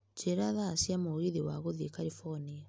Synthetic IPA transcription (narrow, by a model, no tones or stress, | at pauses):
t͡ʃeɾaðasjamoɣiðiwaɣoðiekaɾifɔnia